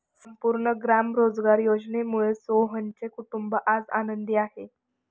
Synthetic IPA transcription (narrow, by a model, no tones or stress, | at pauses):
səmpuɾɳəɡɾamɾod͡zɡaɾjod͡znemuɭesoɦənt͡sekuʈumbəʔad͡zanənd̪iaɦe